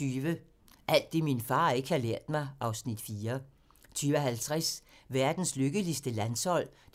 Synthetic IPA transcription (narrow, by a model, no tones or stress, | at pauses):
yːʋə | ʔæl̰d̥ːe̝minfɑ̈ːe̝ɡ̥əhɑ̈leɐ̰d̥mɑ̈ɪʔɑ̈ʊsnid̥fiːɐ | t͡sʰyːʋɒɦælt͡sʰʁasʋæɐd̥n̩sløɡ̥əlisd̥əlænshɒ̽l̰d̥